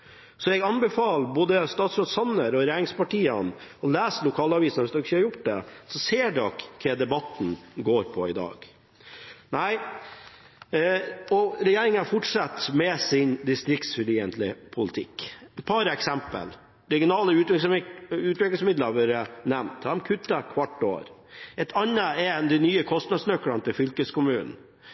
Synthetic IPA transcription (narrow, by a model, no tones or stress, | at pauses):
sɔɛɡɑnbɛfɑːlboːd̪əst̪ɑːt̪sɾoːt̪sɑnːəɾɔɾɛjæːɾɪŋspɑʈiːənɔlæːslʊkʰɑːlɑːʋiːsnɑʋɪsd̪ʊɪçəhɑɾjʊʈd̪ɛ̰sɔseːɖɔkkʰːɛd̪ɛbɑt̪n̩ɡoːɾpʰɔɪd̪ɑ̰ːɡ | næɪ | ɔɾɛjeːɾɪŋənæɾfɔʈʂɑt̪mɛsɪnd̪ɪst̪ɾɪkt̪sfɛliːənt̪lɪpʰʊlɪt̪ʰɪkːɛt̪pʰɑɾəɛksɛmpə̰l | ɾɛɡɪʊnɑːləʉːt̪ | ʉːt̪ʋɪklɪsmɪd̪ləʋœɾənɛmt̪d̪ɑmkʰʉt̪ːəkʰʋɑʈːo̰ːɾ | ɛt̪ʰɑnːəɛnd̪ɛnyːəkʰɔst̪nɑd̪snœkːɽɑnt̪ʰɪfʏlkəskʊmʉːnn̩